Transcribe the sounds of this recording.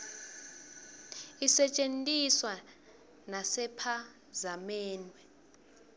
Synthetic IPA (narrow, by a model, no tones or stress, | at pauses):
isɛt͡ʃʼentʼiswa | nasɛpʰa | zamɛːnwɛ